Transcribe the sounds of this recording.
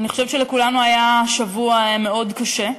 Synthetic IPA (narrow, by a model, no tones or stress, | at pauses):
aniχoʃevʃelekulanuajaʃavuame̞o̞dkaʃe̞